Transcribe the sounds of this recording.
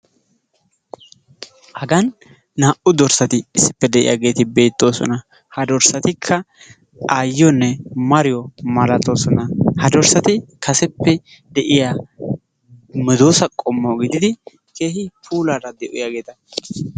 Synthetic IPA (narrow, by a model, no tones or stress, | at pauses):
hɐɡɐnː | aːʔʊd̪ɔɾsɐt̪ɪːsːɪpːɛd̪ɛʔɪ̰ja̰ːɡe̞ːt̪ɪbe̞ːt̪ːo̞ːsɔ̰nɐ | hɐd̪ɔɾsɐt̪ɪkʰːɐ | aːjːɔnːɛmɐɾɪjɔmɐlɐt̪o̞ːsɔnɐhɐd̪ɔɾsɐt̪ɪkʰɐsɛpːɛ | d̪ɛʔɪja | mɛd̪oːsɐkʼɔmːoɡɪd̪ɪd̪ɪ | ke̞ːhɪpʰuːlaːɾɐd̪ɛʔʊ̰jaːɡe̞ːt̪ɐ